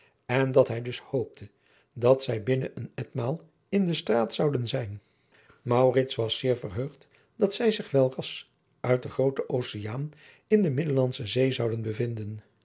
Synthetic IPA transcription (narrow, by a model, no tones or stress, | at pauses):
ɛndɑtɦɛjdɵshowp̚tʰə | dɑtsɛjbɪnəʔənɛtmaːlˠ | ɪndəstraːtsɑwdənzɛjn | mɑwrɪtsʋɑsɪːɹvərɦøɥχt | d̥ɑtsɛjzɪχʋɛlˠrɑs | ʔœɥt̚dəχrowtəʔowsejaːn | ɪndəmɪdəlɑnsəzejzɑwdənbəvɪndən